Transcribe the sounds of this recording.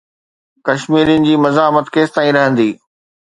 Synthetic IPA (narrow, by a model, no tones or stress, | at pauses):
kɐʃmiːɾjʊnɪ̆d͡ʑiːmɐzaːmət̪keːst̪aːĩɾɐɦə̃nd̪iː